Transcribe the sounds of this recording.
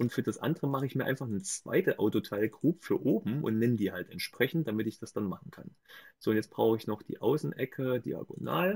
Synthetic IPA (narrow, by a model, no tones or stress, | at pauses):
ʔʊntfyːɐd̥asʔa̰ndəʁəmaχəɪçmiːɐʔa̰ɪnfaχnət͡sv̥a̰ɪtəʔaʊtotʰaɪlɡʁuːpfyːɐʔoːbm̩ʔʊ̰ntnɛnədiːhaltɛntʃpʁ̥ɛçn̩t̚d̥amɪtɪçd̥asd̥anmaχn̩kʰa̰n | z̥oːʊntjɛt͡st̚b̥ʁ̥aʊxəɪçnɔχd̥ḭːʔaʊsn̩ʔɛkʰədḭːa̰ɡo̰na̰ːl